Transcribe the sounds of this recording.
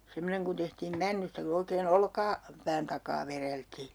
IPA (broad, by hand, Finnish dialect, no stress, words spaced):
semːoneŋ kun tehtiːm mænːystæ ku oikeːn olkɑ pæːn tɑkɑː ʋereltiː